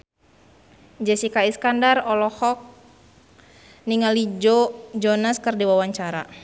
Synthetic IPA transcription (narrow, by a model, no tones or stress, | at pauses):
d͡ʒɛsikaiskandarɔlɔhɔk̚ | niŋalid͡ʒod͡ʒɔnaskɨrdiwawaɲt͡ʃaɾa̰